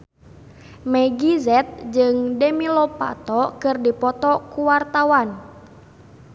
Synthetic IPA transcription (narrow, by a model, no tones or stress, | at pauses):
mɛɡizɛt̪̚d͡ʒɨŋdɛmilɔpa̰t̪ɔkɨrdipɔt̪ɔkuwart̪awan